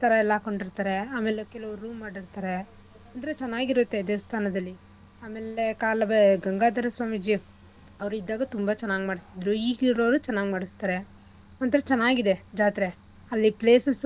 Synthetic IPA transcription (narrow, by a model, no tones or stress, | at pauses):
t̪ʰɐɾɐɛlːako̞ɳɖiɾt̪aːɾeaːmeːlekɛlɐʋɐɾːuːmːaːɽiɾt̪aːɾe | ɐnd̪ɐɾet͡ʃɛnːaːɡiɾut̪ːe̞d̪eːʋɐst̪ʰaːnɐd̪ɐlːi | aːmeːlekaːlɐbeɡɐŋɡaːd̪ɐɾɐsʋaːmid͡ʒi | ɐʋɾuid̪ːaːɡɐt̪umbɐt͡ʃɐnːaːɡimaːɽist̪id̪ɾuiːɡiɾɐːɾut͡ʃɐnːaːɡimaːɽist̪aːɾe̞ | ɐnt̪ɐɾɐt͡ʃɛnːaːɡid̪ed͡ʒaːt̪ɾe | ɐlːipleːsɐs